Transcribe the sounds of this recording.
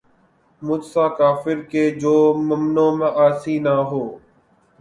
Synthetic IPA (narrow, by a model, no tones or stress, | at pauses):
mʊd͡ʒsãːkaːfɪɾkeːd͡ʒoːməmnõːmãːʔaːsiːnaːɦoː